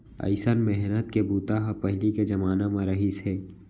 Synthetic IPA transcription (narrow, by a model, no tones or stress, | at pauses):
ɐ̰ɪsənmɛɦnət̪̚kebuːt̪aɦapɐɦliked͡ʒɐmaːnamãɾɐɦisɦɛː